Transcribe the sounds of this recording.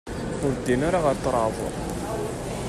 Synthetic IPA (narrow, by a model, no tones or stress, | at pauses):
ʊɾd̪ːinaɾaʁɑɾt̪ːəɾˤɑðˤə̰ɾˤ